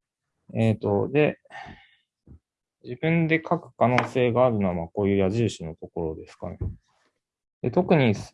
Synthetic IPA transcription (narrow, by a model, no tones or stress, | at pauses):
eːt̪o̞d̪e̞ | d͡ʑibɯ̟̃nd̪e̞kʰakɯ̟̥kano̞ːse̞ːɡaːɾɯ̟no̞amako̞ːjɯ̟ːjaʑɨːɕino̞t̪o̞ko̞ɾo̞d̪e̞sɨ̥ka̰ne | d̪e̞t̪o̞kɯ̟ɲ̟is